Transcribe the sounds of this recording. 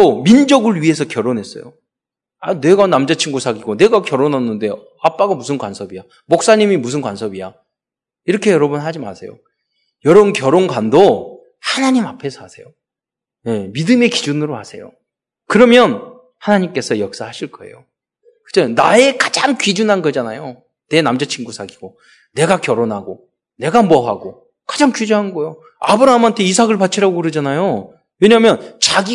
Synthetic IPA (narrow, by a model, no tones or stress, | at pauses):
omind͡ʑʌɡɯɭɥiɦe̞sʰʌkjʌɾonɦe̞s͈ʌ̰jo̰ | ane̞ɡanamd͡ʑat͡ɕʰiŋɡusʰaɡiɡone̞ɡakjʌɾonɦʌnːɯnde̞ | ap͈aɡamusʰɯnkwansʰʌbija | mok̚s͈aɲimimus̬ʰɯnkwansʰʌbija | iɾʌkʰe̞jʌɾʌbunɦad͡ʑima̰sʰe̞jo̰ | jʌɾʌbunkjʌɾonɡwando | hanaɲimapʰe̞sʰʌasʰe̞jo | ne̞midɯme̞kid͡ʑunɯɾoɦasʰe̞̰jo̰ | kɯɾʌmjʌn | hanaɲimk͈e̞sʰʌjʌk̚s͈aɦaɕʰiɭk͈ʌe̞̰jo | kɯ̥d͡ʑʰʌna̰e̞kad͡ʑaŋkɥid͡ʑunɦanɡʌd͡ʑanajo | ne̞namd͡ʑʌt͡ɕʰinɡusʰaɡiɡo | ne̞ɡakjʌɾonɦaɡo | ne̞ɡamʌɦaɡo | kḁd͡ʑaŋkɥid͡ʑunɦanɡʌjo | abɯɾamantʰe̞is̬ʰaɡɯɭpat͡ɕʰiɾaɡokɯɾɯd͡ʑanajo | we̞ɲamjʌnt͡ɕaɡi